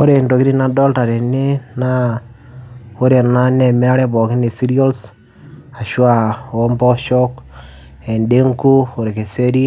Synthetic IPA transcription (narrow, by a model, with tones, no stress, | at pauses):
o˦ɾe˨ndo˨kiɾi˦na˦dɔ˦lta˨ɾe˨ne˦na˦ | o˦ɾe˨na˦nɛ˨mɛ˦a˦ɾɛ˦bɔ˨kɪ˦ne˨si˦ɾio˦ls | a˨ʃwa˨o˦mbɔ˦ʃɔ˦k | ɛ˨nde˦ŋku˦o˨ɾe˨ke˨se˦ɾi˦